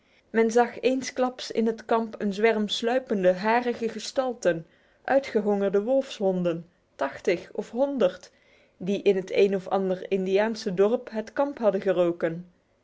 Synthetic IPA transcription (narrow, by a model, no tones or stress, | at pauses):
mɛnzɑχejnsklɑpsɪ̰nɦətkɑmpənzʋɛɹmslœɥpəndəɦaːrəχəχəstɑlˠtən | ʔœɥtχəɦɔŋərdəʋɔlˠfsɦɔndən | tɑχtəχɔfɦɔndəɹt | diʔɪnɦətʰejnɔfɑ̰ndəɹɪndijaːnsədɔɹpɦətkɑmpɦɑdəχərowkən